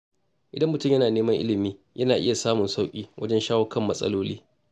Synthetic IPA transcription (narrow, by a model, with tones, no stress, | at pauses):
ʔɪ˨dɐ˦mːʊ˨tʊ˦mjɐ˦naː˨neː˦mɐ˦ŋʔɪ̰˦lɪ˨miː˦ | jʔɐ˦naː˨ʔɪ̰˦ja˨saː˦mʊ˨nsa˦wkʲʼiː˦wʔɐ̰˦d͡ʒɛ˦nʃaː˦wɐ˦kɐ˦˨mːɐ̰˦sʼɐ̰˦loː˦liː˦